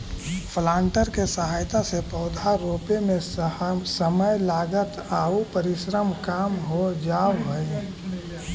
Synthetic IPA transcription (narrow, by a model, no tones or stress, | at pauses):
pʰlaːɳʈəɾkesəɦaːjt̪asepɔːd̪ʱaɾoːpemẽsəməjlaːɡət̪aːupəɾɪʃɾəmkaːmɦod͡ʒaːwɦoj